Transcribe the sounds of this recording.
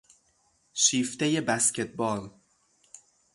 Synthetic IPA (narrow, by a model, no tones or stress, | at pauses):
ʃiːft̪e̞je̞bæscʰet̪̚ʰbɒːɾ